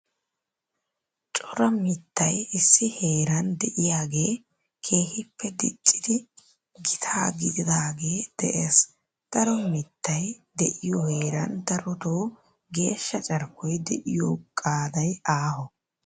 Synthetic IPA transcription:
t͡ʃʼɔɾɐmɪt̪ːɐjɪsːɪhe̞ːɾɐnd̪ɛʔɪjaːɡe̞ː | kʰe̞ːhɪpʰːɛd̪ɪ̰t͡ʃʼːɪd̪ɪ | ɡɪt̪ʰaːɡɪd̪ɪd̪aːɡe̞ːd̪̥ɛ̰ʔeːs | d̪̥ɐɾɔmɪt̪ːɐjd̪ɛʔɪjɔheːɾɐ̰nd̪ɐɾɔt̪oː | ɡe̞ːʃːɐt͡ʃʼɐɾkːɔjd̪ɛʔɪjoːkʼaːd̪ɐjaːhɔ

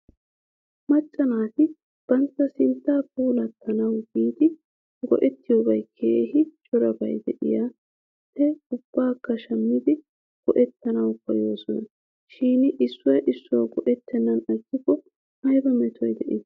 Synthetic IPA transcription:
mɐt͡ʃʼːɐnaːt̪ɪ | b̥ɐnt͡sːɐsɪnt̪ːaːpuːlɐt̪ʰːɐnɐwbiːt̪ɪ | ɡɔ̰ʔɛt̪ːɪjobɐjkʰeːhɪt͡ʃʼɔɾɐbɐ̰jd̪ɛ̰ʔɪ̰ja | pːɛʊb̥ːaːkːɐʃɐmːɪd̪ɪ | ɡ̥ɔʔɛt̪ːɐnɐwkːɔjoːsɔnɐ | ʃiːnʔɪsːɔjʔɪsːʊɐɡɔʔɛt̪ːɛnːɐnɐkːɪkɔ | hɐjbɐmɛt̪ʰɔjd̪ɛʔɪ

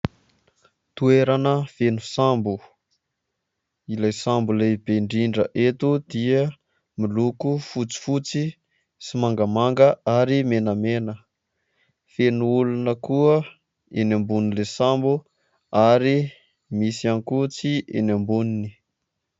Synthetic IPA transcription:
t̪ueɾanəfenusambu | ilajsambulebeɳɖ͡ʐiɳɖ͡ʐəʔet̪ud̪iə | milukufut͡si̥fut͡si | simaŋɡəmaŋɡəaɾimenəmenə | fenuulunəkuə | enambunilesambu | aɾi | misianikut͡siḛnambunini

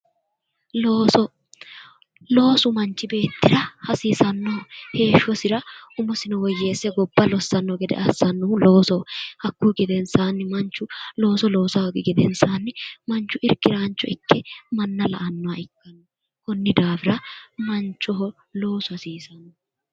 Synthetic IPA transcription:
lo̞ːsɔ | lo̞ːsʊmɐnt͡ʃɪbe̞ːt̪ːɪɾɐhɐsiːsɐnːɔhe̞ːʃɔsɪɾɐʊmʊsɪnɐwɔjːeːsːɛɡɔbːɐlɔsːɐnːɔɡɛd̪ɛ̰ʔɐsːɐnːɔlo̞ːsɔhɐkːuːɡɛd̪ɛnsaːnːɪmɐnt͡ʃːʊlo̞ːsɔlo̞ːsaɔɡɪɡɛd̪ɛnsaːnːɪmɐnt͡ʃːʊʔɪɾkɪɾaːnt͡ʃːɔɪkːɛmɐnːɐlɐ̰ʔɐnːɔɐɪkːɐnːɔ | kɔnːɪd̪aːfɪɾɐmɐnt͡ʃːɔɦɔ | lo̞ːsʊhɐsiːsɐnːɔ

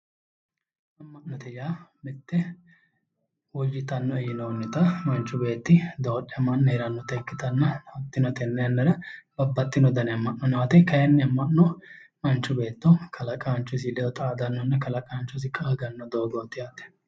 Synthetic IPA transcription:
ɐmːɐʔnːɔt̪ɛjaːmɪt̪ːɛ | wɔd͡ʒːɪt̪ɐnːɔɛjɪnoːnːɪt̪ɐmɐnt͡ʃːʊbe̞ːt̪ːɪd̪oːᶑɛmɐnːɛɛɾɐnːɔt̪ɛkːɪt̪ɐnːɐɐt̪ːɪnɔt̪ɛnːɛjɐnːɐɾɐbɐbːɐt̪ːɪnɔd̪ɐnɛmːɐʔnːɔnaːt̪ɛkɐjɐnːɛɐmːɐnːɔmɐnt͡ʃːʊbe̞ːt̪ːɔkʰɐlɐkʼaːnt͡ʃːʊs̬ɪlɛɔt̪ʼɐːd̪ɐnːɔnːɐkɐlɐkʼaːnt͡ʃːʊs̬ɪkʼaːɡɐnːɔd̪oːɡoːt̪ːɪjaːt̪ːɛ̥

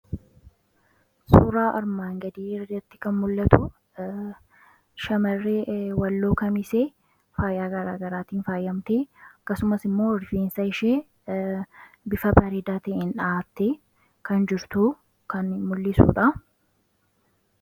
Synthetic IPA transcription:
suːɾaːʔɐɾmaːŋɡɐd̪iːɾɐd̪ɛɾt̪ːɪ̥kɐnmʊlːɐt̪ʰʊ | ʃɐmɐrːeːwɐlːo̞ːkɐmɪseː | faːjaːɡɐɾaːɡɐɾaːt̪iːnfaːjɐmt̪eːɐkːɐsʊmɐsɪmːo̞ːɪɾfeːnsɐɪʃeː | bɪfɐbɐɾeːd̪aːt̪ɐʔɪnᶑaːt̪ːe | kɐnd͡ʒɪɾt̪u | kɐnmʊlːɪsṵːᶑɐ

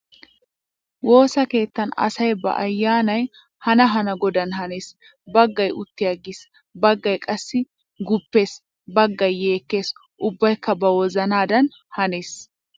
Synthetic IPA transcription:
wo̞ːsɐke̞ːt̪ːɐnɐ̰sɐjbɐ̰ʔɐjːaːnɐj | hɐnɐɦɐnɐɡɔd̪ɐnɦɐneːs | bɐɡːɐjʊt̪ːɪjɐɡɪs | bɐɡːɐjkʼɐsːɪ | ɡʊpːe̞ːs | bɐɡːɐjːe̞ːkːe̞ːs | ʔʊbːɐjkːɐbɐwɔzɐnaːd̪ɐn | hɐne̞ːs

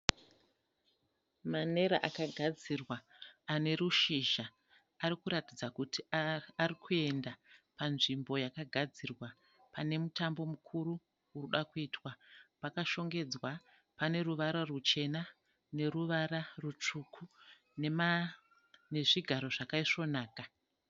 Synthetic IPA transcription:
mane̞ɾaʔakaɡʱad͡zirwaːne̞ɾuʃiʒaː | ɾikuɾatid͡zakutiarikʰue̞ndapanʐimbo̞jakaɡʱad͡zirwa | pane̞mutambo̞mukʰuru | uruɗakuiːtwapakaʃo̞ŋɡe̞d͡zwa | pane̞ruʋaɾarut͡ʃe̞na | ne̞ɾuʋaɾarut͡ʂukʰu | nea | ne̞ʐiɡʱaɾo̞ʐakaiʂo̞naːka

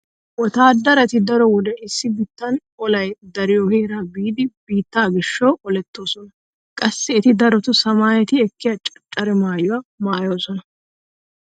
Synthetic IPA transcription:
wɔt̪aːd̪ɐɾɐt̪ɪd̪ɐɾɔwɔd̪ɛʔɪsːɪbɪt̪ːɐn | ɔlɐjd̪ɐɾɪjɔheːɾɐbiːd̪ɪbiːt̪ːaːɡɪʃːoːʔɔlɛt̪ːo̞ːsɔnɐ | kʼɐsːɛɪt̪ɪd̪ɐɾɔt̪ʊsɐmaːjɛt̪ɪɛkːɪjɐt͡ʃʼɐt͡ʃʼːɐɾɛmaːjʊwamaːjo̞ːsɔnɐ

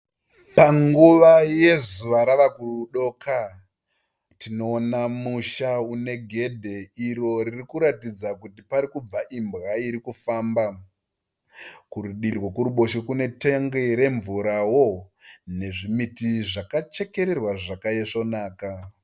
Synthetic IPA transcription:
paŋɡuʋaje̞zuʋaɾaʋakurɗo̞ːkʰa | tino̞ːnamuʃaune̞ɡʱe̞dʱe̞iɾo̞ririkuɾatid͡zakutipaɾikub͡vaʔimbɣaiɾikufaːmba | kuɾuɗirwakuɾuɓo̞ʃekune̞teŋɡeɾe̞ɱvuɾawo̞ne̞ʐimitiʐakat͡ʃe̞ke̞ɾe̞rwaʐakajeʂo̞naːka

